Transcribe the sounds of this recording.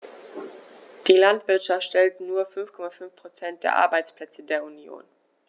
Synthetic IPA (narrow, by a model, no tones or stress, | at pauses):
d̥iːlantv̥ɪɐtʃaftʃtɛltnuːɐfʏnfkʰɔmafʏnfpʁ̥ot͡sɛnt̚d̥eːɐʔa̰ɐbaɪt͡spl̥ɛt͡sədeːɐunjo̰ːn